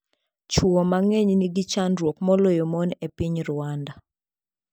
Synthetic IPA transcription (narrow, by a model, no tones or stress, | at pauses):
t͡ʃwɔmaŋeɲniɡit͡ʃanɾwokmɔlojomɔnepiɲɾʊwanda